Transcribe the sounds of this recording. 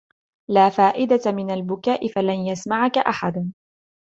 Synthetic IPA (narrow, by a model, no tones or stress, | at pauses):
laːfaːʔɪd̪aamɪnalbʊkaːʔɪfalanjasmaʕakaʔaħad̪